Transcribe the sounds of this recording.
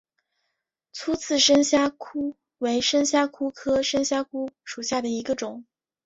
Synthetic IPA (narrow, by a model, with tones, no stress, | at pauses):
t͡sʰu˥t͡sʰɹ̩˥˩ʂə˥ŋɕja˥kʰu˥ | we˧˥ɪʂə˥ŋɕja˥kʰu˥kʰɤ˥ʂə˥ŋɕja˥kʰu˥ʂu˨˩ɕja˥˩d̪ə˩i˧˥ɡə˧ʈ͡ʂʊ˨˩˦ŋ